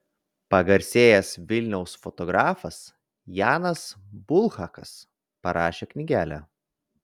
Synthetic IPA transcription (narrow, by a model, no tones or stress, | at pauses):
pɐɡɐɾʲsʲeːjɛsʋʲɪlʲnʲɛʊsfɔt̪ɔɡɾɑːfɐs | jɑːnɐsbʊlˠxɑkɐs | pɐɾɑːʃʲeknʲɪɡʲæːlʲæ̰ː